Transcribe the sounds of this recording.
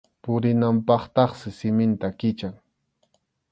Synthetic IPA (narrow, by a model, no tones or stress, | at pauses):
pʊɾɪnampɑχt̪ɑχsɪsɪmɪnt̪akɪt͡ʃaŋ